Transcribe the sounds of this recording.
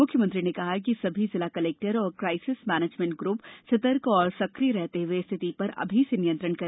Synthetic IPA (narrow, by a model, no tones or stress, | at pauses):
mʊkʰjəmə̃nt̪ɾinekɐɦak̬isɐbʱizɪlakɐleːk̚ʈəɾɔːɾkɾaːɪsɪsmɛːneːd͡ʒmẽɳʈ̚ɡɾuːpsɐt̪əɾkɔːɾsɐkɾiɾɛɦt̪eɦʊest̪ʰɪt̪ipɐɾɐ̰bʱisenijə̃nt̪ɾəɽnkɐɾ